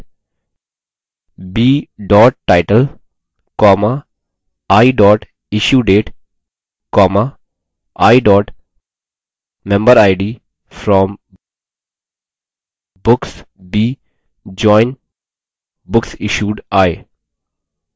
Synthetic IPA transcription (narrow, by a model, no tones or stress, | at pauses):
biːɖɔːʈ̚ːaɪʈəl | kɔːma | aɪɖɔːʈ | ɪʃjuːɖeːʈ | kɔːma | ʔaɪɖɔːʈ | mɛ̃mbəɾaɪɖiː | fɾɔ̃ːm | bʊks | biː | d͡ʒɔ̃ɪ̃n | bʊksɪʃuːɖaɪ